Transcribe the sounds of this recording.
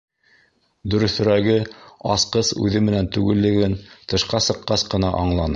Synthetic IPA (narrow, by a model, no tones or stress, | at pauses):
d̪ɵ̆ɾɵ̆θɵ̆ɾæɡɘɑsqɤsʉ̰ðɘmɘ̆nænt̪ʉɡɘ̆lːɘ̆ɡɘnt̪ɤ̆ʃqɑsɤ̆qːɑsqɤ̆nɑ̰ʔɑɴlˠɑnɤ